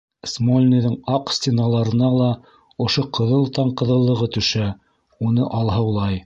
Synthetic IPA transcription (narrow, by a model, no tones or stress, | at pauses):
smolʲnʲiðɘŋɑqsʲt̪ʲenɑlˠɑɾɤ̆nɑlˠɑ | ŏʃoqʰɤ̆ðɤlˠt̪ɑɴqɤ̆ðɤ̆lˠːɤ̆ʁɤt̪ɵ̆ʃæ | unɤʔɑlˠɦɤwlˠɑj